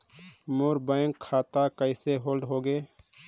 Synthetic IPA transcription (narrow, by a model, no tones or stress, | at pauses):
moɾbəɪŋkʰːaːt̪akəɪseɦoːlɖɦoːɡeː